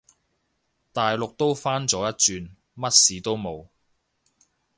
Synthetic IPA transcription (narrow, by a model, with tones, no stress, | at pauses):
t̪aː˨jlʊ˨k̚t̪o˥wfaː˥nt͡sɔː˨˥jɐ˥t̚t͡ʃyː˨˧n | mɐ˥t̚siː˨˥t̪o˥wmo˨˧w